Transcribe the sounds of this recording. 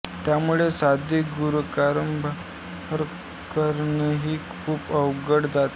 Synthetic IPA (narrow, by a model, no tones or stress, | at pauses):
t̪jamuɭesad̪ʱiɡuɾukaɾəmbʱ | həɾ | kəɾneɦiːkʰuːpəʋɡəɽd͡zat̪